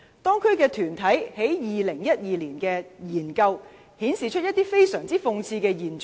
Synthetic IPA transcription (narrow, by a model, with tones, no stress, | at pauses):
t̪ɔː˥ŋkʰɵ˥kɛː˧t̪ʰyː˨˩nt̪ʰɐ˨˥jhe˨˥jjiː˨lɪ˨˩ŋjɐ˥t̚jiː˨˧liː˨˩nkɛː˧jiː˨˩nkɐ˧w | hiː˨˥nsiː˨˩t͡ʃʰt̚jɐ˥t̪iː˥fe˥jsœː˨˩ŋt͡siː˥fʊ˧ŋt͡sʰiː˧kɛː˧jiː˨˩nt͡ʃ